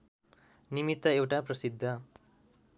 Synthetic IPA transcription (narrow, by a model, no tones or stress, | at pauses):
nimit̪ːʌewʈaprʌsid̪ʱːʌ